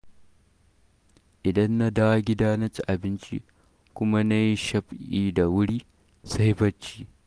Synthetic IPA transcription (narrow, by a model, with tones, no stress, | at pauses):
ʔɪ˨dɐ˦nːa˦da˦wa˦ɡʲɪ˦daː˦nɐ˦t͡ʃi˦˨ʔa˨bɪ˦nt͡ʃḭ˦ | kʷʊ˦ma˦na˦ji˦ʃɐ˦ɸʔiː˦da˨wʊ˦ɽiː˦ | sa˦jɸɐ˦t͡ʃːiː˦